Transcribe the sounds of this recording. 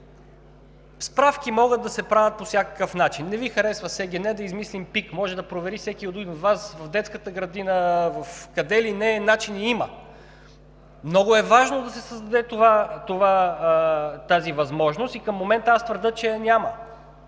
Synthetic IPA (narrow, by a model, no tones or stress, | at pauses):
spɾafkʲimɔɡəd̪̚d̪ɐsɛpɾavʲɐt̪̚posʲjakə̥kəfnat͡ʃinːɛvixɐɾɛsvəsɛɡʲɛnɛd̪ɐizmislimpikmɔʒɛd̪ɐpɾovɛɾifsɛkʲiod̪ud̪inod̪vasvɐvd̪ɛt̪skət̪əɡɾɐd̪inəvɐfkɐd̪ɛlinɛnat͡ʃiniimə | mnɔɡʊɛvaʒnod̪ɐsɛsəzd̪ɐd̪ɛt̪ovat̪ova | t̪azivɐzmɔʒnost̪ikəmːomɛnt̪əast̪vəɾd̪ɤt͡ʃɛnʲamə